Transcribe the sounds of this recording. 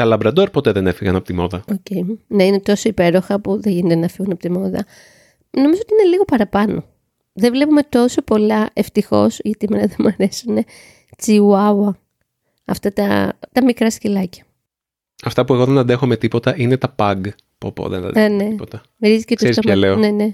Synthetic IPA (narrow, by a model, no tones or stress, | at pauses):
t̪ɐlɐbɾɐd̪o̞ɾpo̞t̪eðe̞nefiɣɐnɐpot̪imoðɐoce̞ineine̞t̪o̞so̞ipe̞ɾo̞xɐpuðeʝinet̪enɐfiɣunɐpo̞t̪imo̞ðɐ̰ | no̞mizoot̪iine̞liɣo̞pɐɾɐpɐno̞ | ðevle̞pume̞t̪o̞so̞po̞lɐʔe̞ft̪ixo̞̰sʝɐt̪iemenɐðemuɐɾesune̞ | t͡siuɐwɐ | ɐft̪ɐt̪ɐ̰t̪ɐmikɾɐscelɐcɐ̥ | ɐft̪ɐpue̞ɣoðenɐnd̪exome̞t̪ipo̞t̪ɐʔine̞t̪ɐpɐɡ | po̰po̰ðḛnɐ̰ɐne̞iot̪ɐ | vɾizicetsesisoɐleonene̞